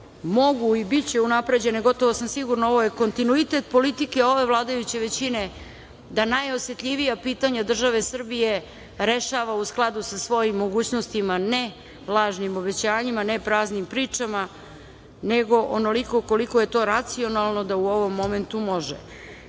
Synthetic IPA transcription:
mo̞ɡuibit͡ɕe̞unapɾe̞d͡ʑe̞neɡo̞t̪o̞ʋosamsiɡuɾnoo̞ʋo̞je̞ko̞nt̪inuit̪e̞t̪po̞lit̪ikeo̞ʋe̞ʋlˠaːd̪ajut͡ɕe̞ʋe̞t͡ɕine̞ | d̪anajo̞sje̞t̪ʎʲiʋijapiːt̪aɲad̪r̩ʒaʋe̞sr̩bije | ɾe̞ʃaːʋausklˠad̪usasʋo̞jimːo̞ɡuːt͡ɕno̞st̪imane̞ | lˠaːʒnimo̞be̞t͡ɕaːɲimanepɾaːznimpɾiːt͡ʂama | neɡo̞ʔono̞liko̞ko̞liko̞je̞t̪o̞ɾat̪sio̞nalˠno̞d̪auo̞ʋo̞mːo̞me̞nt̪umo̞ʒḛ

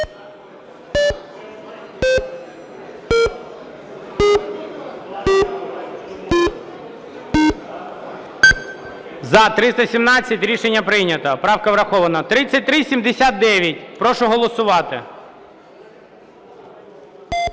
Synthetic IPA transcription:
zɐt̪ɾɪst̪ɐsʲimnɑt͡sʲːɐtʲɾʲiʃenʲːɐpɾɪnʲɐt̪ɐpɾɑwkɐʋɾɐxɔʋɐnɐt̪ɾɪt͡sʲːɐt̚ʲt̪ɾɪsʲimd̪esʲat̪̚d̪ɛʋʲjɐtʲpɾɔʃʊɦɔlˠɔsʊʋɑt̪ɪ

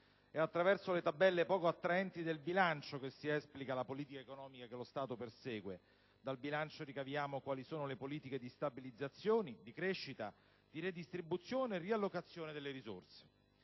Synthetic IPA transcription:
ɛat̪ːɾavɛrsolet̪abːɛlːepɔːkoat̪ːɾaɛnt̪id̪elbilant͡ʃokesːiɛsplikalapoliːt̪ikaekonɔːmikakelost̪aːt̪opersɛːɡwe | d̪albilant͡ʃoɾikavjaːmokwaːlisoːnolepoliːt̪iked̪ist̪abilid̪zːat̪sːjoːnid̪ikɾeʃːit̪a | d̪̥iɾed̪ist̪ɾibut̪sjoːneːrːialːokat̪sːjoːned̪elːeɾizo̰rse̥

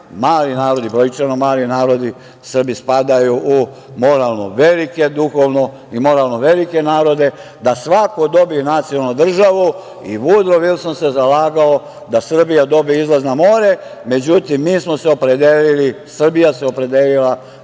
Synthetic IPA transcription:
maːlinaːɾo̞d̪ibɾojt͡ʃanomaːlinaːɾo̞d̪i | sr̩bispad̪ajuʔu | mo̞ɾalˠno̰ʋe̞like̞d̪uxo̞ʋno̞ | imo̞ɾalnoʋe̞like̞naːɾo̞d̪e̞ | d̪asʋako̞d̪o̞binat̪sijonalnud̪r̩ʒaʋu | ḭʋud̪ɾoʋilsmose̞zalaːɡao | d̪asr̩bijad̪o̞biizlaznamo̞ːɾe̞ | me̞d͡ʑut̪imːiːsmo̞seo̞pɾe̞d̪elilisr̩bijaseo̞pɾe̞d̪elila

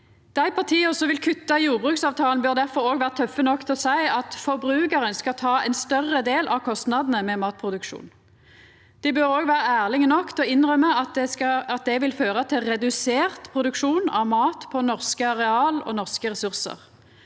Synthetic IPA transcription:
d̪̥æɪpʰɑʁt̪ʰiːəɔsɔʋɪlkʰʉt̪ːɑjuːʁbʁʉːksɑːʋt̪ʰɑːln̩bœʁd̪æʁfɔɾoːɡʋæːʁət̪ʰœfːənɔkːt̪ʰɛlɔsæɪɑt̪fɔʁbɾʉːkəʁənskɑt̪ʰɑːɛnst̪œʁːəd̪eːlʔɑʋkʰɔst̪nɑd̪n̩əmɛmɑːt̪̚pʰʁʊd̪ʉkʃṵːn | d̪̥ɪbøɾoːɡʋæːʁəæːʁlɪŋənɔkːt̪ʰɛɔɪnʁœməɑt̪̚ɛɑɑt̪̚d̪ɛʋɪlføːʁət̪ʰɪlʁɛd̪ʉseːʁt̪pʰʁʊd̪ʉkʂuːnɑ̰ʋmɑːt̪pʰɔnɔʁskəɑʁɛɑːlɔ̰nɔʁskəʁɛsʉʁsə̰ʁ

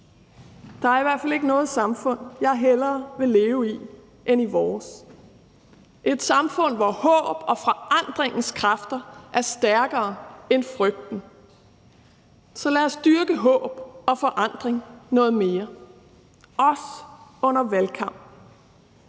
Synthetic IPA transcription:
d̥ɑ̈æɐiʋæɐ̰fæle̝ɡ̥ənɔ̽ːð̞̩ˠsɑ̈mfɔ̽n̰jɑ̈ɪɦelɐːʋe̝le̝ːʊi | ʔeniʋɒːs | ʔe̝d̥sɑ̈mfɔ̽n̰ʋɒhɔ̰̽ːb̥ɒ̽fɒ̽ɑ̈n̰d̥ʁeŋn̩skʰʁɑfd̥ɐʔæɐsd̥æɐɡ̥ɐːenfʁœɡ̥̚d̥n̩ | sɒ̽læɒsd̥yɐɡ̥əɦɔ̰̽ːb̥ɒ̽fɒ̽ʔɑ̈n̰d̥ʁeŋnɔ̽ːð̩ˠme̝ːɐ | ɒ̽sɔ̽n̰ɐʋælkʰɑ̈m̰b̥

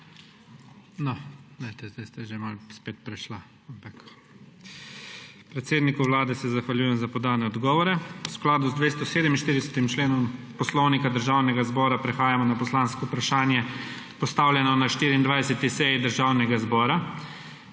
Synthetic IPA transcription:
nɔɛt̪ɛzd̪ɛst̪aʒemalspeːt̪̚pɾɛʃla | ampak | pɾɛt̪seːd̪nikuʋlaːd̪ɛsɛzaxʋalʲjuːjɛmzapɔd̪aːnɛɔd̪ɡɔːʋɔɾɛusklaːd̪uzd̪ʋeːst̪ɔseːd̪ɛminʃt̪iɾd̪ɛsɛt̪imt͡ʃleːnɔmpɔslɔwnikad̪əɾʒawnɛɡazbɔːɾapɾɛxaːjamɔnapɔslanskɔupɾaʃaːnjɛ | pɔst̪aːwlʲjɛnɔnaʃt̪iːɾiːnd̪ʋajsɛt̪isɛjid̪əɾʒaːwnɛɡazbɔːɾa

